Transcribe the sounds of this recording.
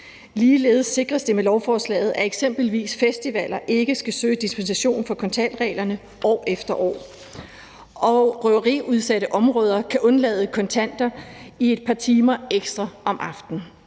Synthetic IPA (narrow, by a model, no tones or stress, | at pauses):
liːle̝̰ːð̞ˠsːe̝ɡ̥ʁɐsd̥e̝melɒʊfɒːslɛ̰ːɪð̞̩ˠʔæe̝ɡ̥sem̰b̥l̩ʋḭːsfesd̥iʋæl̰ɐʔe̝ɡ̥əsɡ̥æsø̰ːd̥isb̥ensiɕo̝̰ːnfɒ̽kʰɒ̽nt͡sʰæn̰d̥ʁɛ̰ːlɐnə | ʔɒ̰ːefd̥ɐʔɒ̰ː | ʔɒʁœɐʁḭːuð̞ˠsæɾəʔɒ̽mʁɔ̽ːð̞ˠɐkʰæʔɔ̽nlɛð̞ˠəkʰɒ̽nt͡sʰæn̰d̥ɐie̝d̥̚pʰɑ̈ːt͡sʰiːmɐeɡ̥sd̥ʁɐʔɒ̽mʔɑ̈fd̥n̩